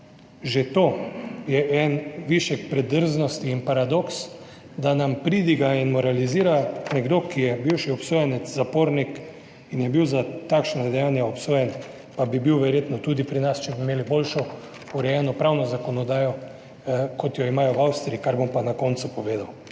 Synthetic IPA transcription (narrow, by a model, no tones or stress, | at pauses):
ʒet̪ojɛʔɛnʋiʃjɛkpɾɛd̪əɾznɔst̪iːnpaɾad̪oks | d̪anampɾid̪iɡainmɔɾaliziːɾanɛɡd̪okijɛbiwʃiɔpsoːjɛnɛzapoːɾnik | injɛbiwzat̪akʃnad̪ɛjanjaɔpsoːjɛn | pabibiwʋɛɾjeːt̪nɔt̪ud̪ipɾinast͡ʃɛbimeːlibolʃɔ | uɾɛjɛnɔpɾawnɔzakɔnɔd̪aːjɔ | kot̪jɔimaːjɔwawst̪ɾiikaɾbompanakɔnt̪supɔʋeːd̪aw